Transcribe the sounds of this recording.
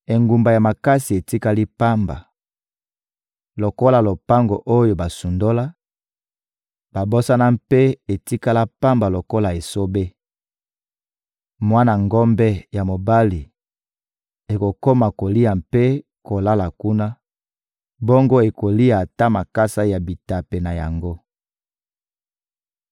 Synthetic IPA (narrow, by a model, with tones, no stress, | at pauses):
e˨ŋɡu˨mba˨ja˨ma˨ka˦si˨e˨ti˦ka˦li˦pa˦mba̰˨ | lo˨ko˦la˨lo˨pa˦ŋɡo˨ʔo˦jo˨ba˨su˨ndo˦la˦ | b̥a˨bo˦sa˦na˦mpe˦e˨ti˦ka˦la˦pa˦mba˨lo˨ko˦la˨e˨so˦be˦ | mwa˦na˨ŋɡɔ˦mbɛ˦ja˨mo˨ba˦li˨ | e˨ko˨ko˦ma˨ko˨li˦a˨mpe˦ | ko˨la˦la˨ku˦na˦ | bo˦ŋɡo˦e˨ko˨li˦a˨ta˦ma˨ka˦sa˦ja˨bi˨ta˨pe˨na˨ja̰˨ŋɡo˦